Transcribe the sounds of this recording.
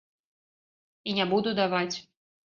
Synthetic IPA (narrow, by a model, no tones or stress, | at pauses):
inʲɛbud̪ʊd̪avat͡sʲ